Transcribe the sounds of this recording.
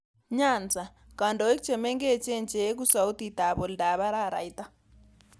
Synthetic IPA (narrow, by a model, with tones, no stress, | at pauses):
ɲa˨nd͡zʱa˨ | ka˨ndɔ˨e˦kt͡ʃʰɛ˨mɛ˦ŋɡɛ˦t͡ʃɛ˦nd͡ʒʼɛ˦k̬u˦sa˨u˦ti˨ta˨βɔ˨lda˨βa˦ɾa˦˨ɾa̰˨i˦ta˦